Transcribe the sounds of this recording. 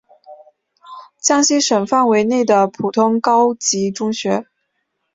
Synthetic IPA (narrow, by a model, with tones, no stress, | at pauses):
t͡ɕjɑ˥ŋɕi˥ʂə˨˩ŋfa˥˩nwe˧˥ɪne˥˩ɪd̪ə˩pʰu˨˩t̪ʰʊ˥ŋkɑ˥ʊt͡ɕi˧˥ʈ͡ʂʊ˥ŋɕɥɛ˧˥